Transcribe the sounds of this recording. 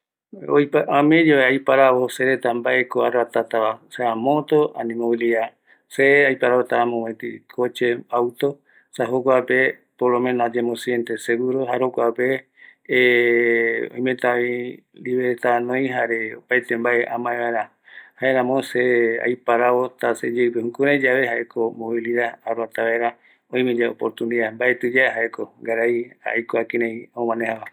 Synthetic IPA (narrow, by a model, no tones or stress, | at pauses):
o̰jpaamẽd͡ʒoeajpaɾaβoseɾet̪ambaʔekoarat̪at̪aβaseamõt̪oanĩmõwilia | seajpaɾaβot̪aamõwẽt̪ikʰot͡ʃeawt̪o | saɦokʷape | polomẽnoad͡ʒemõsjent̪eseɡuɾoɦaɾokʷape | õ̰j̃mẽt̪a | ɾiβeet̪anõj̃ɦaɾeopajt̪embaeʔãmãeβaeɾa | haeɾãmõsea̰jpaɾaβot̪ased͡ʒewpehũkuɾẽd͡ʒaβe̞haʔekʰomoβiliðaaɾat̪aβaeɾa | õĩmẽd͡ʒao̰poɾt̪uniðambaʔet̪ɨd͡ʒaeɦaekoɡaɾaja̰jkoakiɾẽj̃õmãnehaβa